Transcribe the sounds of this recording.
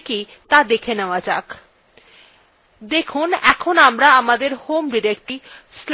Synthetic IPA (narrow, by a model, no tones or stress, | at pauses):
ki | t̪ad̪ekʰeneoad͡ʑa̰k | d̪ekʰunɛ̰kʰonamɾaamad̪eɾhomɖiɾekʈisl